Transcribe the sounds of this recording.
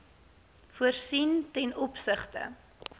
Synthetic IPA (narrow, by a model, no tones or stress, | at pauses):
fuərsintɛnɔpsəχtə̰